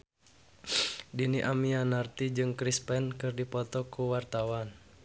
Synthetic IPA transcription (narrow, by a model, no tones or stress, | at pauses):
diniʔamianart̪id͡ʒɨŋkɾispɛnkɨrdipɔt̪ɔkuwart̪awan